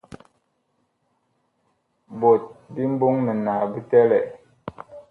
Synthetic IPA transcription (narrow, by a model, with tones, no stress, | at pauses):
bo˨t̚bi˦m̩˦bo˦ŋnə˨na˨bi˦tɛ˦lɛ˨